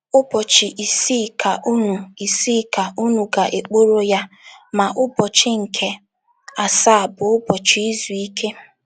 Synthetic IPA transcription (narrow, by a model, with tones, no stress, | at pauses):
ʊ˦bɔ˨t͡ʃɪ˨ʔi˨si˦˨kʰa˨ʔu˦nu˨i˨si˦˨ka˨u˦nu˨ɡa˨ʔe˨k͡po˦ɾo˦ja˦ | ma˨ʔʊ˦bɔ˨t͡ʃɪ˦ŋ̩˨kʰe˦ | a˨sa˦˨bʊ˨ʊ˦bɔ˨t͡ʃi˨˦i˦zu˨i˦kʰe˦